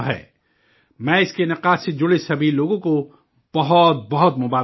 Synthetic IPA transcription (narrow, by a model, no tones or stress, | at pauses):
ɦɛ̰ː | mɛ̃ːɪskenɐqaːsed͡ʒʊɽesɐbʱiloːɡõko | b̥ɐɦɔt̪̚bɐɦɔt̪mʊbaː